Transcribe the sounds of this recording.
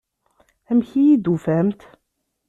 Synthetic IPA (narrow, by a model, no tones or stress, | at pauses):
æmçijid̪ufæmt̪